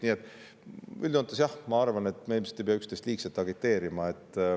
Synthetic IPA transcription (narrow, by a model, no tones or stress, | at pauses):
niːet̪ːˑ | y̰ld̪ont̪ːˑɑsjɑhmɑɑrvɑne̞t̪ːˑmeːlmiset̪ejpeɑykst̪est̪liːkselt̪ːˑɑɡit̪ːe̞ːɾimɑe̞t̪ː